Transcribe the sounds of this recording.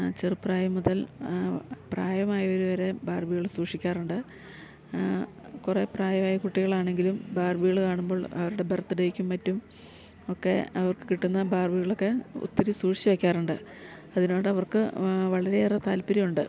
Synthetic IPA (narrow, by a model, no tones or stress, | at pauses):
t͡ɕerpːraːjɐmuðɐl | praːjɐmaːjɐo̞ɾuʋɐɾe̞baːrbiɣɐɭsuːʂikʲːaːruɳɖɨ | kure̞praːjɐmaːjɐkuʈːiɣɐɭaːɳe̞ŋɡilumbaːrbiɣɐɭkaːɳumbo̞ːɭɐ̰ʋɐɾuɽe̞bert̪ːɨɽɐjikʲːumːɐtːum | o̞kːe̞̰ɐʋɐrkɨ̥kiʈːunːɐbaːrbiɣɐɭo̞kːe̞ṵt̪ːiɾisuːʂi̥t͡ɕːɐʋekʲːaːruɳɖɨ | ɐðino̞ːɽɨɐʋɐrkɨʋɐɭɐɾe̞rɐt̪aːlpiɾijuɳɖɨ